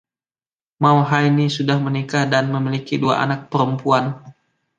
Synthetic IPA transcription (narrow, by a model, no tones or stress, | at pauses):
mauɦainisudahmənikahdanməmilikidua̰ʔa̰nak̚pəɾəmpuan